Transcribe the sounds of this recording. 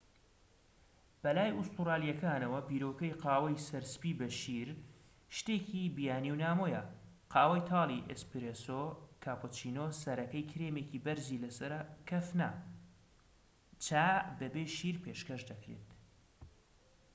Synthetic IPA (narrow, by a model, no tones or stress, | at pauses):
b̥ɐlaːjust̪uɾaːlijɐkaːnɐwɐbiːɾoːkɐjqɑːwɐjsɐɾsɨ̥piːbɐʃiɾ | ʃt̪ecibijaːniwnaːmojɐ | qʰɑːwɐjt̪ʰɑːlˠiʔespɾesokʰaːpʰot͡ʃiːnoːsɐɾɐkɐjkʰɾeːmeːkiːbɐɾzilɐsɐɾɐkʰɐfna̰ | t͡ʃaːbɐbeʃiɾpʰeːʃkɐʃd̪ɐkɾḛt̪